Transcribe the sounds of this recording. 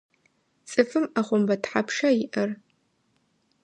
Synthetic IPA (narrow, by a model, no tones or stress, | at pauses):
t͡sʼɨfɨmaχʷʊmbɐtħapʰʂɐjɪʔɐr